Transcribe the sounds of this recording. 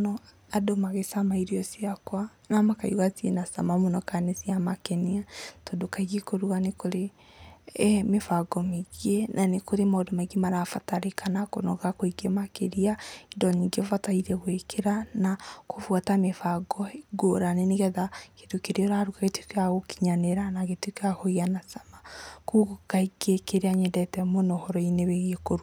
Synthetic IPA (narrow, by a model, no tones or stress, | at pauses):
nɔ | adomaɣesamaiɾiɔsiakwa | namakaiwatienasa̰mamonɔkanesiamakɛniatɔdokaiɣekoɾuwanekoɾe | mefaɡɔmeɣienanekoɾemadɔmaiɡemaɾafataɾekʰanakonɔɣakoiɡemakeɾiaidɔɲiŋɡevataiɾɛɣwekʰeɾanakʰofwatamefaɡɔeɡoɾaneneɣɛðaketokeɾeɔɾaɾukaɣetekeaɣoki̥ɲaneɾanaɣetwekahoianasamakuɣokaiɡekeɾeaɲɛdɛtɛmonɔhɔɾɔineβeɣekoɾwa